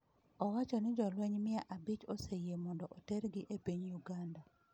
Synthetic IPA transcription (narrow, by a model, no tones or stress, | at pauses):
ɔwat͡ʃɔnɪd͡ʒɔlwɛɲmɪaʔabɪt͡ʃosejemɔndɔʔotɛɾɡɪʔepiɲjuɡanda